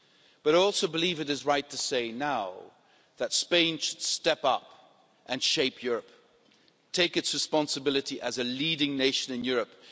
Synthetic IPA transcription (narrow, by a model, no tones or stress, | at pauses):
b̥ʌɾɔlˠsoʊbəlivɨɾɨzɹaɪtʰɨseɪnaʊ | ðɨtspẽɪ̃nʃɨd̥stɛpʌp | ʔɨ̃nʃeɪpʰjʊɹɨp | tʰeɪkɨtsɹɨspɑ̃nsɨbɪlˠɨɾiʔɨzɨliɾɪ̃ŋneɪʃɨ̃nɨ̃njʊɹɨp